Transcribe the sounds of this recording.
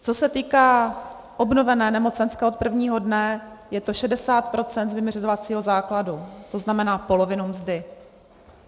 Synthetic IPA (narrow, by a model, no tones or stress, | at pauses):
t͡so̞sɛt̪iːkaː | ʔobno̞vɛnɛːnɛmo̞t͡sɛnskao̞t̪̚pr̩vɲiːɦo̞dnɛ | jɛt̪o̞ʃɛdɛsaːt̪̚pɾo̞t͡sɛnt̪zvɪmrzovat͡siːɦo̞zaːkladut̪o̞znamɛnaːpo̞lo̞vɪnumzdɪ